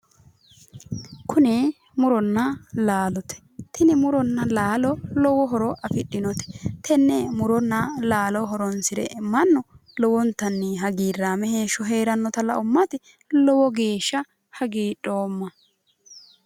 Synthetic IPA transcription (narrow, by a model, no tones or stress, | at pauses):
kʰʊnɛ | mʊɾɔnːɐlaːlɔt̪ʰɛ̥t̪ʰɪnɪmʊɾɔnːɐlaːlɔlɔwɔɦɔɾɔʔɐfɪɗːɪnɔt̪ɛ̥t̪ʰɛnːɛmʊɾɔnːɐlaːlɔɦɔɾɔnsɪɾɛ̰mɐnːɔ | lɔwɔnt̪ːɐnːɛɦɐɡiːrːaːmɛheːʃɔɦeːɾɐnːɔt̪ɐlɐ̰ʔʊmːɐt̪ɪ | lɔwɔɡe̞ːʃːɐ | hɐɡiːᶑʼoːmːɐ